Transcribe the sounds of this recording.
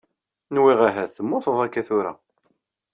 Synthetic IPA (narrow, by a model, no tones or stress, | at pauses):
nwiʁaɦæθəmːoθəðˤækːæθʊɾæ̰